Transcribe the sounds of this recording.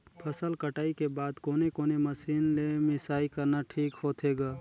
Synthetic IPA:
pʰəsəlkəʈaːikebaːd̪koːnekoːneməsiːnlemɪsaːikəɾnaʈʰiːkɦoːt̪ɦeːɡaː

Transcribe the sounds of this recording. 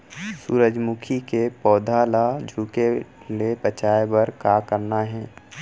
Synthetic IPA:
suːɾəd͡ʒmukʰikepɔːd̪ʱalad͡ʒʱuːke | lepət͡ʃaːebəɾkaːkəɾnaɦɛ̃ː

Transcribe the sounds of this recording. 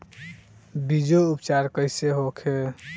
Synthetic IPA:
bid͡ʒoupt͡ʃaɾkəɪseɦokʰe

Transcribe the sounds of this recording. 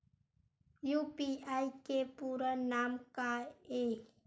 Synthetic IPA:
jupiaikepuɾənaːmkae

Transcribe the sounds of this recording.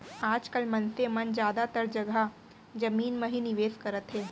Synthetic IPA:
aːd͡ʒkəlmɐnsemɐnd͡ʒjaːd̪at̪əɾd͡ʒɐɡa | d͡ʒɐmiːnmɐɦinɪʋeːskɐɾət̪ɦɛː

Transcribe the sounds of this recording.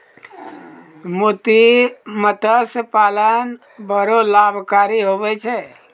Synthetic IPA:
mot̪imət̪əspaːlən | bəɾolaːbʱkaːɾiɦoːʋɛt͡ʃʰɛ

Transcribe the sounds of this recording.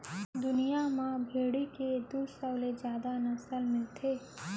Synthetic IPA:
d̪ʊnijamãbʱeːɽiked̪usəwled͡ʒjaːd̪anɐsəlmɪlt̪ʰeː

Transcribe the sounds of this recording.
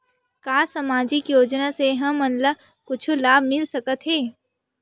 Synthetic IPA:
kaːsɐmaːd͡ʒɪkjoːd͡ʒnaseɦɐmənlə | kʊt͡ʃʰulaːbmɪlsɐkət̪ɦeː

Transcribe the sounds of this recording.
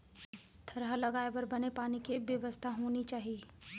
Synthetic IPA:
t̪ʰɐɾɦalɐɡaːebɐɾbɐnepaːnikebjəʋəst̪ʰaɦoːnit͡ʃaːɦieː

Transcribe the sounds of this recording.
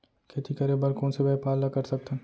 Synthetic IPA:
kʰet̪ʰikɐɾebɐɾkɔ̃ːnsebɛːpaːlːakɐɾsɐk̚t̪ẽ

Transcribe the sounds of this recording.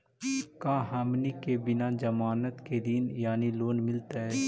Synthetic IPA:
kãːɦaːmnikebɪnad͡ʒɐmaːnət̪ked̪injaːniloːnmɪlt̪aɦɛː

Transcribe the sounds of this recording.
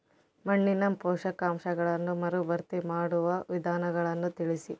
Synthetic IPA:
mɐɳːinɐmpɔːʂɐkaːmʃɐɡɐɭɐnːumɐɾubɐɾt̪imaːɽuʋɐʋid̪ʱaːnɐɡɐɭɐnːut̪iɭisi

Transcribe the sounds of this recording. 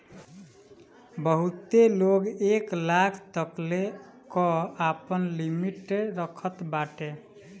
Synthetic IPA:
bəɦut̪eloɡeklakʰt̪əkle | kɔapənlimiʈeɾəkʰət̪baʈe

